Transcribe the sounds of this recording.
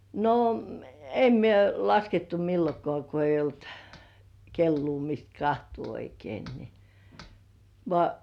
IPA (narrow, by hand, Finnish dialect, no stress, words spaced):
no em mie lɑsketːu milːokŏɑˑ ko eijˑ olt kelːuː mist kɑhtuː oikein ni ʋŏɑˑ